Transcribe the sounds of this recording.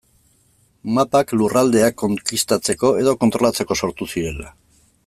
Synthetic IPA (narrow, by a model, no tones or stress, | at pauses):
mapaklurald̪e̞akːo̞ŋkist̪at͡se̞ko̞e̞ð̞o̞ko̞nt̪ɾo̞lat͡se̞ko̞so̞ɾt̪usiɾe̞la̰